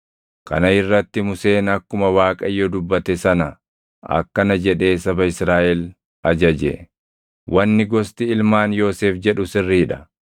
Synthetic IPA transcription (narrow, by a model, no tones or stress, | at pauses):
kʰɐ̰nɐɪrːɐt̪ːɪmʊse̞ːnɐkːʊmɐwaːkʼɐjːod̪ʊbːɐt̪ɛsɐnɐ | ɐ̰kːɐnɐd͡ʒɛᶑe̞ːsɐbɐɪsɾaːʔɛl | ɐd͡ʒɐd͡ʒɛ̰ | wʔɐnːɪɡɔst̪ɪɪlmaːnjo̞ːseːfd͡ʒɛᶑʊsɪrːiːᶑɐ̥